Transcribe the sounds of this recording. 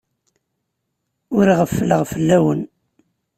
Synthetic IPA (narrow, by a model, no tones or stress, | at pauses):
ʊɾiʁəfːəlːəʁfəlːæwən